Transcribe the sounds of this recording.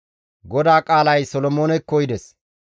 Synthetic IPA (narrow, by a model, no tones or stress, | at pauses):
ɡɔd̪aːkʼaːlɐjsɔlɔmo̞ːnɛkːɔjd̪ɛs